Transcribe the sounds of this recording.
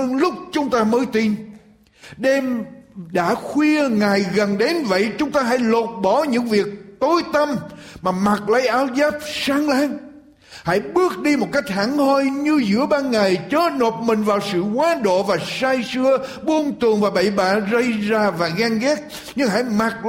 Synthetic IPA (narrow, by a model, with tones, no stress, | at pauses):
əː˧nlʊ˦˥k͡p̚t͡ɕʊ˨˦ŋ͡mt̪aː˧məː˨˦jt̪i˧n | ɗɛ˧mɗa̰ː˧˥xwi˧əŋaː˨˩jɣə˨˩nɗe˨˦nvə̰˧˨jt͡ɕʊ˨˦ŋ͡mt̪aː˧ɦa̰˧˥jlo˨˩t̚ɓɔ˧˩ɲɨ̰˧˥ŋvi˨˩ək̚t̪o˨˦jt̪ə˧mmaː˨˩ma˨˩t̚lə˧jʔaː˧wzaː˦˥p̚saː˧ŋlaː˧ŋ | ha̰˧˥jɓɨ˦˥ək̚ɗi˧mo˨˩t̚ka˦˥jk̟̚ha̰˧˩˥ŋhɔ˧jɲɨ˧zɨ̰˧˥əɓaː˧nŋa˨˩jt͡ɕəː˨˦˥no˨˩p̚mï˨˩ŋ̟vaː˨˩wsɨ̰˧˨ŋwaː˨˦ɗo̰˧˨vaː˨˩saː˧jsɨ˧ə | ɓu˧ənt̪ɨ˨˩əŋvaː˨˩ɓə̰˧˨jɓa̰ː˧˨zə˧jzaː˧vaː˨˩ɣaː˧ŋɣɛ˦˥t̚ | ɲɨ˧ŋɦa̰ː˧˥jma˨˩t̚